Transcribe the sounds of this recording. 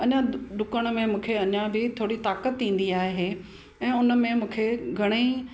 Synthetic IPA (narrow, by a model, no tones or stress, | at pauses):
ɐɲãd̪ʊkəɽ̃̆mẽmũːkʰeɐɲãbɪt̪ʰoːɽit̪aːkət̪ːĩːn̆d̪iaːɦɦe | ɛ̃ːʊnə̆mẽmũːkʰeɡʱɐɽ̃ei